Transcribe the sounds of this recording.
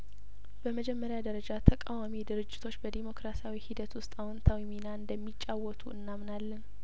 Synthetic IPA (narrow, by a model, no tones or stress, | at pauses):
bəməd͡ʒɛmːəɾjad̪əɾəd͡ʒat̪ʰəkʼawamid̪ɨɾɨd͡ʒːɪt̪ʰo̞t͡ʃːbəd̪imo̞kɾasawihid̪ət̪wʊst̪ʼawɔnt̪ʰawiminaɨnd̪əmːit͡ʃʼːawːɔt̪ʰuɨnːamnalːən